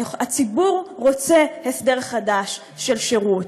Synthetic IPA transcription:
at͡sibuʁʁo̞t͡se̞hesd̪e̞ʁχadaʃː | e̞lʃeʁut

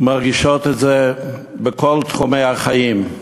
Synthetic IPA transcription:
maʁɡiʃot̪ɛtze | bəkolt̪χumejhaχajim

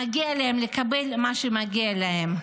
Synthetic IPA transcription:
aɡialehemlekabelmaʃemaɡialahem

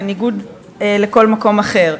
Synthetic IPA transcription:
niɡud̪ | leko̞lmako̞maχe̞ʁ

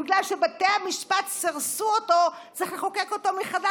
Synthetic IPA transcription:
iɡlalʃebateamiʃpatsiʁsuoto̞t͡siχleχoke̞ko̞to̞miχada

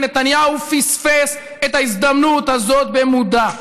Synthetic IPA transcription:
net̪anjaufisfes | et̪aizd̪amnut̪azo̞t̪bemud̪a

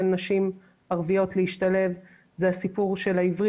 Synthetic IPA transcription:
ennaʃim | aʁvijo̞tleiʃtale̞v | zeasipuʁʃe̞laivʁi

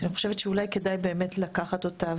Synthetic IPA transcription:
niχo̞̥ʃevet̪ʃeulajke̞dajbe̞ːmetlakaχato̞ta

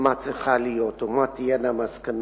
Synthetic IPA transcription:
mat͡seχalijot̪umat̪ijɛnamaskan

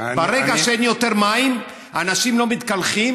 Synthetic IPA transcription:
baʁeɡaʃeenjo̞t̪e̞ʁmaim | anaʃimlo̞mit̪kalχim

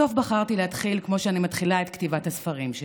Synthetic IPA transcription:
o̞fbaχaʁt̪ilehat̪χilkmo̞ʃeanimatχilaet̪ktivathasfɐʁimʃ

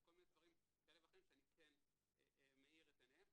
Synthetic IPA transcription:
ko̞lminedvaʁim | ɡelevaχimʃeanikʰen | ḛemeiʁetenem

